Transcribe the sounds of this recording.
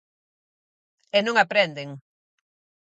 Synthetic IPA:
enũŋapɾend̪eŋ

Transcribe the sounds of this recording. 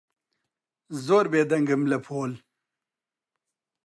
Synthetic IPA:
zoːɾbeːd̪ɐŋɡəmlɐpʰoːl

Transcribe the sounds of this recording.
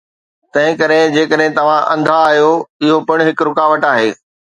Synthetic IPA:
t̪ɐ̃ɦɪ̃kɐɾɪ̃d͡ʑeːkəɗɦɪ̃t̪ɐʋ̤ãʔɐ̃nd̪ʱaːɦjoɪɦopɐɽ̃ɦɪkɾʊkaːʋəʈaːɦeː

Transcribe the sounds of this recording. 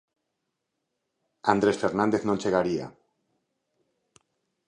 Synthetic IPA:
and̪ɾesfeɾnãnd̪eθnonʲt͡ʃeɣaɾia̰

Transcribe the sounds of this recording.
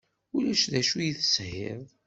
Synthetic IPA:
ʊlæʃðæʃujiθəshɪ̰ðˤ

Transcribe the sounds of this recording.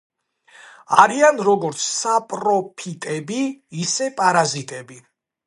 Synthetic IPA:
aɾianɾɔɡɔɾt̪sʰsapʼɾɔpʰit̪ʼɛbiːsɛpʼaɾazit̪ʼɛbi

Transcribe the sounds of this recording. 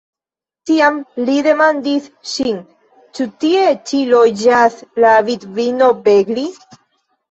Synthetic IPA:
t̪iamliðemãnd̪iθʃiŋ | t͡ʃut̪iet͡ʃiloʝaθlaβit̪βinobeɡli

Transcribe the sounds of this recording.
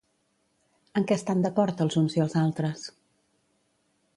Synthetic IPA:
əŋkɛəst̪and̪əkɔɾt̪əlˠzunziəlˠzalˠt̪ɾəs

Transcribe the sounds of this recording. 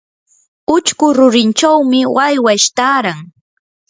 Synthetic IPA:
ʊt͡ʃkʊɾʊɾɪnt͡ʃawmɪwajwaʃt̪aːɾaŋ

